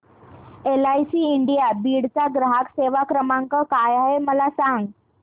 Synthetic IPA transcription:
elajsiːiɳɖijabiːɽt͡saɡɾəɦakseʋakɾəmaŋkəkajaɦeməlasãŋɡ

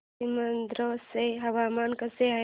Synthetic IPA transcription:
imand̪ɾoseɦɐwaːmaːnkɐsea

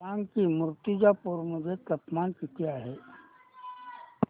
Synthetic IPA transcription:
ãŋɡkimʊɾt̪ɪd͡ʒapuɾməd͡ʒʱet̪əpmaːnkit̪ijaɦɛ

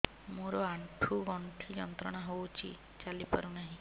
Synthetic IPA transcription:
moɾɔaɳʈʰuɡɔɳʈʰijɔnt̪ɾɔɽ̃aɦowt͡ʃʰḭ | t͡ʃalipa̰ɾunaɦĩ

